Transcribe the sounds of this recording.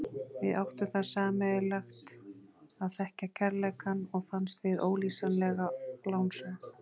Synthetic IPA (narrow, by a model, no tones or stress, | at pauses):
vɪðʔawht̪ʏθaðsaːmɛɪlaxt̪ | aðθɛhcacʰɛɾlɛkanːɔɣfanst̪vɪðoːwliːsanlɛɣalaːwnsɛ